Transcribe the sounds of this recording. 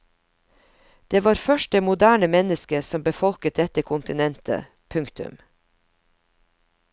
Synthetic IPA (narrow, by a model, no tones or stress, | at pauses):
d̪̥eːʋɑːɾfœʃt̚deːmʊd̪æːɳəmɛnəskəsɔmbəfɔlkət̪̚d̪ɛt̪əkʰʊnt̪ɪnɛnt̪ʰə̰ | pʰʉŋkt̪ʉ̰m